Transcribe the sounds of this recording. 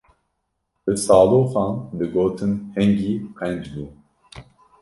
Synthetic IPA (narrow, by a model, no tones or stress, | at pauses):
d̪̥ɨsɑːloːfɑːnd̪ɨɡoːt̪ʰɨnhɛŋɡiːqʰɛnd͡ʒd̪uː